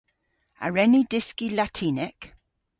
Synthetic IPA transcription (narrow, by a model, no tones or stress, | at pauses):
a̰ɹɛnidɪskilatʰiːnɛk